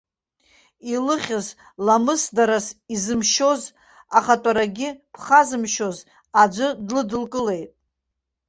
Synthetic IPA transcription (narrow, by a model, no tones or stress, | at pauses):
ilɨχʲɨz | lamɨsdaɾasizɨmʃo̞z | aχatʼaɾaɡʲɪpʰχazɨmʃo̞z | ad͡ʒʷɨdlɨdɨlkʼɨle̞jtʼ